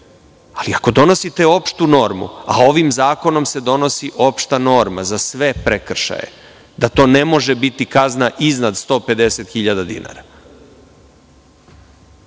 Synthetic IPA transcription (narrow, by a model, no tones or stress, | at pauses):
aliako̞d̪o̞no̞sit̪eo̞pʃt̪uno̞ɾmṵa̰o̞ʋimzaːko̞no̞mse̞d̪o̞no̞siʔo̞pʃt̪ano̞ɾma̰zasʋe̞pɾekr̩ʃa̰jḛ | d̪at̪o̞ːne̞mo̞ʒe̞bit̪ikaznaʔiznad̪st̪o̞ːpe̞d̪e̞set̪xiʎad̪ad̪ḭna̰ːɾa